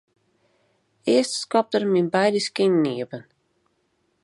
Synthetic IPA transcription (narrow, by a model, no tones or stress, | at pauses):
eːstskɔp̚təɾminbajdəskɪnniəbən